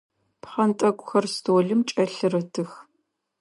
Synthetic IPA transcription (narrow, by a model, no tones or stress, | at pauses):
pχɐntʼɐkʷʼʊxɐrstʰoːɮɨmt͡ʃʼɐɬɨrɐtʰɨx